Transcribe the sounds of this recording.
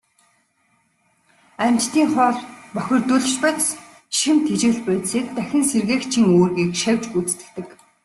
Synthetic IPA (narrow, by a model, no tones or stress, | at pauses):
æmt͡ɕt̪iːŋχɔːɮpœxʲɪ̆rt̪uɮɘ̆t͡ɕpat̪s | ʃĭmt̪ʰet͡ɕĕɮpæːt̪siːk̚t̪æxʲɪ̆nserɣeːxt͡ɕʰĭŋoːrɣiːkʃæwʲt͡ɕput͡st̪ɘ̆kt̪ɘ̆k